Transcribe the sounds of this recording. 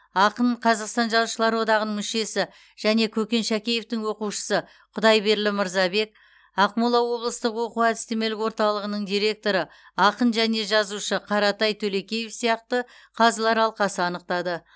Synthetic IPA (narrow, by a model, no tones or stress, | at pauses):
ɑqəɴqʰɑzɑqst̪ɑnʒɑzuʃəlˠɑɾwo̞d̪ɑʁənəŋmɪʃe̞sɪ | ʒ̥æne̞kʲʰɵkʲe̞nʃækʲe̞je̞ft̪ɪŋwo̞quʃə̥sə | qʰʊd̪ɑjbe̞ɾlɪməɾzɑbe̞k̚ | ɑqmulˠɑwo̞blˠəst̪əqwo̞quæd̪ɪst̪e̞me̞lɪkwo̞ɾt̪ɑlˠəʁənəɴd̪ijɾe̞k̚t̪o̞ɾə | ɑqənʒæne̞ʒɑzuʃəqʰɑɾɑt̪ɑjt̪ʰɵle̞kʲe̞jefsijɑq̚t̪əqʰɑzlˠɑɾɑlˠqɑsəɑnəq̚t̪ɑd̪ə